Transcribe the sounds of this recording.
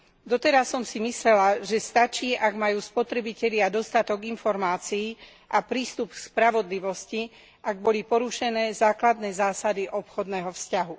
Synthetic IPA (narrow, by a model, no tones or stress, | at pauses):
d̪ɔt̪ɛɾasːɔmsimislɛlaʒɛst̪at͡ʃiːʔaɡmajuːspɔt̪ɾɛbicɛʎɪad̪ɔst̪at̪ɔɡinfɔɾmaːt͡siː | ʔapɾiːst̪upspɾaʋɔd̪liʋɔsci | ʔaɡ̚bɔlipɔɾuʃɛnɛːzaːklad̪nɛːzaːsad̪iʔɔpxɔd̪nɛɦɔfscaɦu